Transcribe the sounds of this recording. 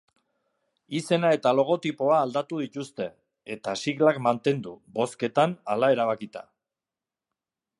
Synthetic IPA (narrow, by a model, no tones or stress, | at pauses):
ise̞nae̞t̪alo̞ɣ̞o̞t̪ipo̞aːld̪at̪uð̞it̪ust̪e̞ | et̪asiɣlakmant̪e̞nd̪ubo̞ske̞t̪analae̞ɾaβ̞akit̪a̰